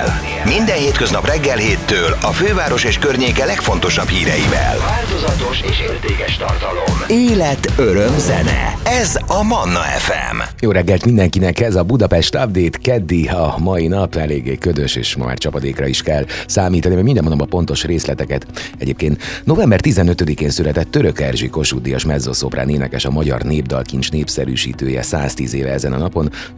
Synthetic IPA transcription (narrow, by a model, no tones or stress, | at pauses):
l | mind̪ɛnheːt̪køznɒprɛɡːɛlheːt̪ːøːlɒføːvaːɾo̞ʃeːʃkørɲeːkɛlɛkfo̞nt̪o̞ʃɒphiːɾɛjivɛ̰lːld̪ozɒt̪o̞ʃeːʃeːrt̪eːkɛʃt̪ɒrt̪ɒlomeːlɛt̪øɾømzɛnɛ̰ɛzɒmɒnːɒɛ̰fɛ̰mjoːɾɛɡːɛlt̪mind̪ɛŋkinɛkɛzɒbud̪ɒpɛʃt̪ɒbd̪eːt̪kɛd̪ːiɒmɒinɒpɛleːɡːeːkød̪øʃḛːʃmɒ̰ma̰ːrt͡ʃɒpɒd̪eːkrɒiʃkɛlsaːmiːt̪ɒnimɛɟmind̪ɛmond̪omɒpo̞nt̪o̞ʃreːslɛt̪ɛkɛt̪ɛɟeːpkeːnt̪no̞vɛmbɛrt̪izɛnøt̪ød̪ikeːnsylɛt̪ɛt̪ːøɾøkɛrʒiko̞ʃud̪ijɒʃmɛzːoso̞pra̰ːneːnɛkɛʃɒmɒɟɒ̰rneːb̚d̪ɒ̰lkint͡ʃneːpsɛɾy̰ːʃḭːt̪øːjɛ̰sa̰ːst̪ḭːzeːvɛɛzɛnɒ̰nɒpo̞n